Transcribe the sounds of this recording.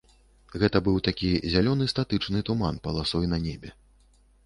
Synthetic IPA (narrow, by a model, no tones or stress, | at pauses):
ɣɛt̪ɐbɨwt̪akʲizʲalʲɔnɨst̪at̪ɨt͡ʂnɨt̪umanpɐlˠasɔjnɐnʲɛbʲɛ